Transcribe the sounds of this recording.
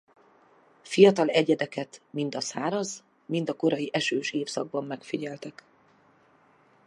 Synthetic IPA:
fijɒt̪ɒlɛɟɛd̪ɛkɛt̪mint̪ɒsaːɾɒz | mind̪ɒko̞ɾɒjiʔɛʃøːʃeːfsɒɡ̚bɒmːɛkfiɟɛlt̪ɛk

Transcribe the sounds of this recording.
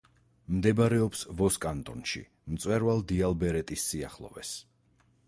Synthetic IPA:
md̪ɛbaɾɛɔpsvɔskʼant̪ʼɔnʃḭ | mt̪sʼwɛɾvalˠd̪ialˠbɛɾɛt̪ʼisːia̰χlˠɔ̰vɛ̰s

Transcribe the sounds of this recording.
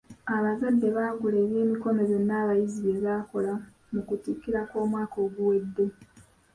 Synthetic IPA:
aβazadːe̞βaːɡuleːβje̞ːmiko̞me̞ɾe̞nːaːβajiziβe̞βaːko̞la | mukutikːiɾako̞ːmwaːko̞ːɡuwe̞dːe̞

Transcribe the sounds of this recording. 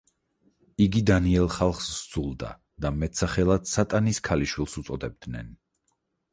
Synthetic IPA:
iɡid̪aniɛlˠχalˠχsd̪z̥ulˠd̪a̰ | d̪̥amɛt̪saχɛlˠad̪sat̪ʼaniskʰaliʃwilˠsut̪sʼɔd̪ɛb̚d̪nɛ̰n

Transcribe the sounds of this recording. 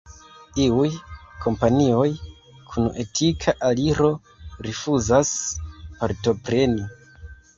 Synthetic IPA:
iujkʰo̞mpanio̞j | kʰune̞tʰikʰaʔaliɾo̞ | ɾifuzaspaɾto̞pɾe̞ni

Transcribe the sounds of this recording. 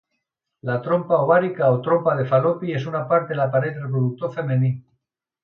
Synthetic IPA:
lat̪ɾo̞mpaoβaɾikaot̪ɾo̞mpað̞e̞falopie̞sunapaɾt̪elapaɾeðɾrep̬ɾoðuk̚t̪o̞ɾfe̞mẽni

